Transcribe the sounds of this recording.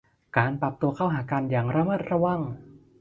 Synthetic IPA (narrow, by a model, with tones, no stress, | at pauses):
kaː˧npɾa˨˩p̚t̪u˧ɐkʰa˥˩wɦaː˩˦ka˧njaː˨˩ŋɾa˧˥maː˥˩t̪̚ɾa˧˩wa˧˥˩ŋ